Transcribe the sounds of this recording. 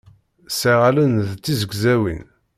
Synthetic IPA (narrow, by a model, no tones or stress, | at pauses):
siʁalənðt͡sːizəɡzæwḭn